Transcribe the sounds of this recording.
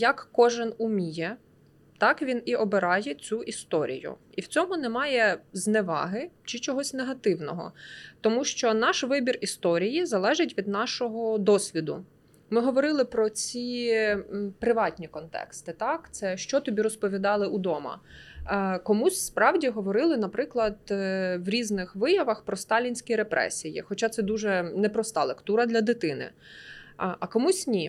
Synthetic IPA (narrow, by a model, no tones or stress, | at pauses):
jɐkːɔʒɪnumʲijɛ | t̪ɑkʋʲiniʔɔbeɾɑjɛt͡sʲuʔist̪ɔɾʲḭjʊ̰iwt͡sʲɔmʊnɛmɑjɛznɛʋɑ̰ɦɪt͡ʃɪt͡ʃɔɦɔsʲneɦɐt̪ɪwnɔɦɔ̰t̪ɔmuʃt͡ʃɔnɑʃʋɪbʲirist̪ɔɾʲijizɐlˠɛʒɪtʲʋʲid̪nɑʃɔɦɔd̪ɔsʲʋʲid̪ʊ̰ | mɪɦɔʋɔɾɪlˠɪpɾɔt͡sʲi | pɾɪʋɑtʲnʲikɔnt̪ɛ̰kst̪ɪt̪ɑkt̪sɛʃt͡ʃɔt̪ɔbʲiɾɔspɔʋʲid̪ɑlˠɪʔud̪ɔmɐ̰ | kɔmusʲspɾɑwdʲiɦɔʋɔɾɪlˠɪnɐpɾɪklˠɐd̪wɾʲiznɪxʋɪjɐʋɐxpɾɔst̪ɑlʲinʲsʲkʲiɾepɾɛ̰sʲijḭxɔt͡ʃɑt̪sɛd̪uʒɛnɛpɾɔst̪ɑlˠekt̪uɾɐd̪lʲɐd̪ɪt̪ɪnɪ̰ | ʔɐkɔmusʲnʲi